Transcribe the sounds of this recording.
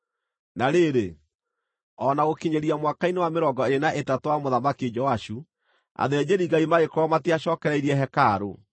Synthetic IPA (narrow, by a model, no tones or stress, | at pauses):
naɾeɾe | ɔnaɣokiɲeɾiamwakainewameɾɔŋɡɔeɾenaʔetatwamoðamakied͡ʒɔwaʃu | a̰ðɛd͡ʑeɾiɡaimaɣekɔɾɔmateaɕɔːkɛɾɛiɾiɛɦɛkaɾo̰